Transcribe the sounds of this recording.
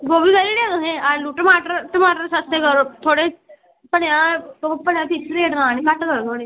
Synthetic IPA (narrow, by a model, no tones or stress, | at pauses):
ʋoːbiːɡəliːɽjeːt̪oɦẽːəluːʈəmaːʈəɾʈəmaːʈəɾsəst̪ekəɾoːt̪ʰoːɽeː | pəɽjãːt̪opəɽjãːpisɾeːʈnãːniːkəʈkəɾoːt̪ʰoːɽeː